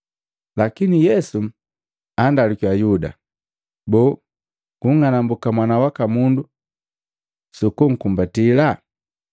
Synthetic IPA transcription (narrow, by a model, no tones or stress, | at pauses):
lakinijɛsu | andalikwajuda̰ | bɔ | ɡuŋanambukamwanawakamundu | sukuŋ̩kumbatila